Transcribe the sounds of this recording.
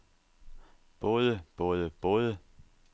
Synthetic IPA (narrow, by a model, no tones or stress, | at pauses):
b̥ɔːðˠəb̥ɔ̽ːðˠəb̥ɔːðˠə